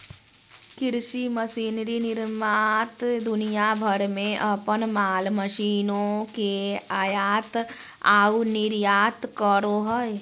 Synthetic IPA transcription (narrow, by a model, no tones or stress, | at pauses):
kɪɾʃiməsiːnɾinɪɾmaːt̪d̪ʊnijabʱəɾmẽʔɐpənmaːlməʃiːnõkeaːjaːt̪ | aːunɪɾjaːt̪kəɾoɦɔe